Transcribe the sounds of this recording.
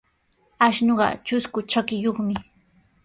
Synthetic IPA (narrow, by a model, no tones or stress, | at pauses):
aʃnoɢɑ̰t͡ʃʊskʊt͡ʃakɪjoχmɪ